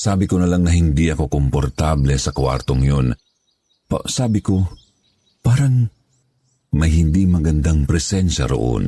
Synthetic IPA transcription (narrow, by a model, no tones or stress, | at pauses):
saːbɪkonɐlaŋnɐɦɪnd̪iʔɐko̞kompoɾt̪ablɛsɐkwa̰ɾt̪oŋjon | pɐ̰saːbɪko̞ | paːɾɐŋ | mɐjhɪnd̪imɐɡɐnd̪aŋpɾɛsɛnʃɐ̰ɾo̰ʔo̰n